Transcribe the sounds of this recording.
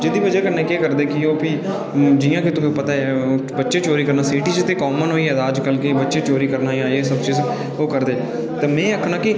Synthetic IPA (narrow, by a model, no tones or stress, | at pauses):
d͡ʒed̪iːbəd͡ʒeːkəɾneːkeːkəɾd̪eːkɪoːpi | d͡ʒɪjãːkɪt̪ʊkẽːpət̪aːɛbətːʃeːt͡ʃoːɾiːkəɾnaːsɪːʈiːt͡ʃt̪eːkɔːmənɦoːiːɛd̪aːd͡ʒkəlkebətːʃeːt͡ʃoːɾiːkəɾnaːiaːeːsəbt͡ʃiːz | oːkəɾd̪eː | t̪eːmɛ̃ːəkʰːnãːkɪ